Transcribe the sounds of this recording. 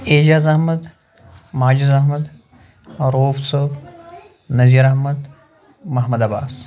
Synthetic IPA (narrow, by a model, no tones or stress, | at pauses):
eːd͡ʒaːzɐhmɐd̪ | maːd͡ʒizɐɦmɐd̪ | ɾoːfsɐb | nɐziːɾɐɦmɐd̪ | mɐɦmɐd̪ɐbaːs